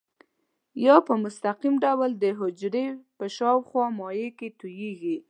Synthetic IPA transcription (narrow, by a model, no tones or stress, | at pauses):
jɑpəmʊst̪aqimɖawld̪əɦʊd͡ʒɾepəʃɑwxwɑmɑjeket̪ujeɡi